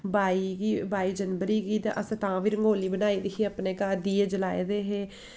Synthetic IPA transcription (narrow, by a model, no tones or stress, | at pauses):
baːiːɡiːbaːiːd͡ʒənbəɾiːɡiːt̪a̰ʔəst̪ãːʋiːɾəŋɡoːliːbənaːiːd̪ikiːapneːkaːd̪iːeːd͡ʒəlaːḛːd̪eːɦeː